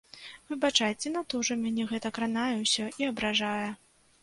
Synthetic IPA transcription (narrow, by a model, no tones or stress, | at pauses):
vɨbat͡ʂajt͡sʲɛnat̪ɔʐɐmʲanʲɛɣɛt̪ɐkɾanajɛwsʲɔʔiɐbɾaʐajɐ